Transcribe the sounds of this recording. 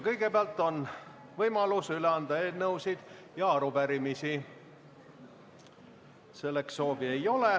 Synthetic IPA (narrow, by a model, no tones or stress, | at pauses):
kɤjɡ̥e̞peɑlt̪ːˑo̞n | vɤjmɑlusyleɑnd̪ɑeːnɤwsid̪̥ | jɑɾupæɾimisi | se̞lːeksːo̞ːvie̞jo̞le